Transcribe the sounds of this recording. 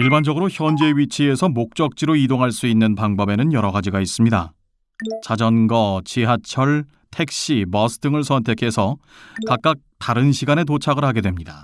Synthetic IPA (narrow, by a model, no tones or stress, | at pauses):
iɭband͡ʑʌɡɯɾoçjʌnd͡ʑe̞ɥit͡ɕʰie̞sʰʌmok̚t͡ɕ͈ʌk̚t͡ɕ͈iɾoidoŋɦaɭs͈uinːɯnpaŋbʌbe̞nɯnjʌɾʌɡad͡ʑiɡais͈ɯmɲida | t͡ɕad͡ʑʌnɡʌt͡ɕiɦat͡ɕʰʌɭ | tʰe̞k̚ɕ͈imʌsʰɯ̥dɯŋɯɭsʰʌntʰe̞kʰe̞sʰʌ | kak̚k͈ak̚taɾɯnɕʰiɡane̞t̬ot͡ɕʰaɡɯɭhaɡe̞dwe̞mɲida